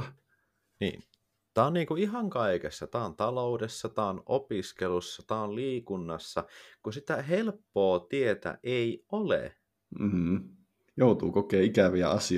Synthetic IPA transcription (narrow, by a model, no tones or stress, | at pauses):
nḭːn | t̪æːonːiːŋkuiɦɑŋkɑikesːɑt̪æːont̪ɑloudesːɑt̪æːonopiskelusːɑt̪æonliːkunːɑsːɑkusit̪æɦelpːoːt̪iet̪æ̰ʔeiolḛ | m̩ | jout̪ṵːkokeːikæʋiæ̰ɑsi